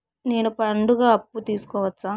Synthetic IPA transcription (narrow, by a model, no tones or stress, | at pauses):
neːnupɐɳɖuɣaːɐpːut̪iːsu̥kɔːʋɐt͡ʃːaː